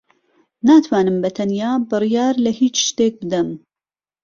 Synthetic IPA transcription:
naːt̪ʰwaːnɨmbɐt̪ʰɐnjaːbɨrijaːɾlɐhiːt͡ʃʃt̪eːk̚bɨd̪ɐm

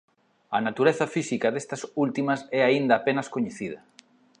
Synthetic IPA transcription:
ɐnat̪uɾeθɐfisikɐðest̪ɐsult̪imɐsɛaind̪ɐːpenɐskoɲeθiðɐ

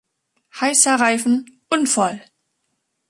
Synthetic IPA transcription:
haɪsɐʁaɪfn̩ʔʊnfɔl

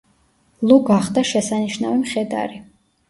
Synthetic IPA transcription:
lˠuɡaχd̪aʃɛsaniʃnavimχɛd̪a̰ɾi

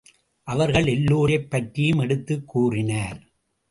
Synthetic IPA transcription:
ʔɐʋɐɾɣɐɭɛlːuːɾɐɪpːɐʈɾɪjɯmɛɽɯt̪ːɯkːuːrɪnaːɾ

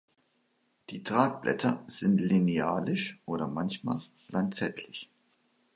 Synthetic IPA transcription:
d̥iːtʁ̥aːk̚b̥lʔɛ̰tʰɐz̥ɪntlineaːlɪʃʔoːɾɐmançma̰ːl̥ | lantt͡sɛtʰlɪç

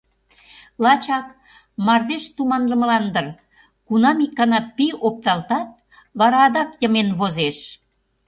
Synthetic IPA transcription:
lɑt͡ɕɑk | mɑrd̪eʃt̪umɑnləməlɑnd̪ər | kunɑmikːɑnɑpiop̚t̪ɑlt̪ɑt̪̚ | βɑɾɑːd̪ɑkjə̆menβozeʃ

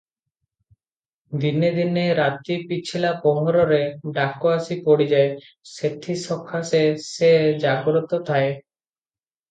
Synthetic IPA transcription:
d̪ined̪ineɾat̪ipit͡ʃʰilapɔɦɔɾɔɾeɖakɔasipɔɽid͡ʒae | set̪ʰisɔkʰasesed͡ʒaɡɾɔt̪ɔt̪ʰae

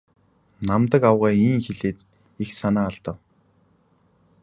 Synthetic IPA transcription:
namt̪ə̆kawʁaːiːŋxeɮeːt̪̚ | ixsanaːɔɮt̪ə̆w

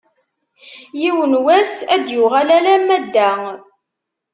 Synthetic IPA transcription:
jiwənwæsæd̪jʊʁælæɾæmæd̪ːæŋ

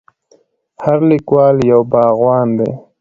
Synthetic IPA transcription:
haɾlikwɑːljawbɑːɣwɑːnd̪ḛ

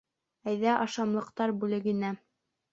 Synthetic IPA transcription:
æjðæʔɑʃɑmlˠɤ̆q̚t̪ɑɾbʉlɘ̆ɡɘ̆næ

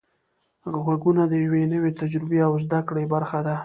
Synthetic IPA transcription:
ɣwaɡunad̪əjawenəwet̪ad͡ʒɾɪbeawzd̪akɽebaɾxad̪a

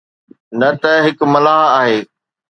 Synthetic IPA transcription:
nɐt̪ɐɦɪkmɐlaːɦaːɦeː

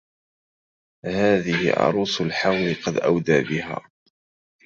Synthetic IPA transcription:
haːðɪhɪ̰ʔɑ̰ɾˤuːsʊlħawlɪqɑd̪ʔa̰wd̪aːbɪɦa̰ː

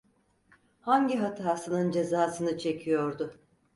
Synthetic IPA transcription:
haɲɟiɦat̪ʰaːsɯnɯnd͡ʒe̞zaːsɯnɯt͡ʃʰe̞cʰijo̞ɾd̪ʊ

